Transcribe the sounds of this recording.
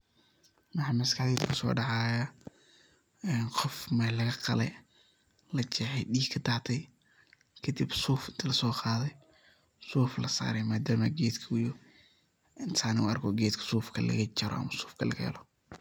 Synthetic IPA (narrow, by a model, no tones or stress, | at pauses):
wɑħɑːmɐskʰɑħd̪iːd̪kʰʊsɔ̰ːɖɑʕɑːjɐ | ɛnqɔfmɛlɐɣɐqɑlɛ̰j | lɐt͡ʃɛħɛjɖiːɡkʰɐt̪ʰaʕt̪ʰɛj | kʰɐd̪ibsuːfɪnt̪ʰɐlɐsɔːqɑːðɛj | suːflɐsa̰ːɾɛjmaːd̪aːmɐɡɛːd̪kʰɐwʊjʊ | ʔɪnt̪ʰaːnɪʊ̰ɐrkʰɔːɡɛːd̪kʰɐ̥suːfkʰɐlɐ̰ɣɐt͡ʃɐɾɔ̰ʔɐ̰mɐsuːfkʰɐlɐ̰ɣɐhɛ̰lɔ